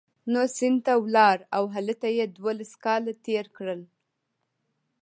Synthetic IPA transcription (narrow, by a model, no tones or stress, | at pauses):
nosɪnd̪t̪awlɑɾawɦalət̪ajed̪wolaskɑlat̪eɾkɽəl